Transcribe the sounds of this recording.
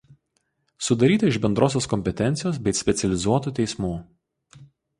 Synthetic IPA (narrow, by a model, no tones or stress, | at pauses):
sʊd̪ɐɾʲiːt̪ɐɪʒbʲɛnd̪ɾoːsʲoːskɔmʲpʲɛt̪ʲɛnʲt̪sʲɪjoːsbʲɛɪsʲpʲɛt̪sʲɛlʲɪzuɔt̪uːt̪ʲɛɪsmuː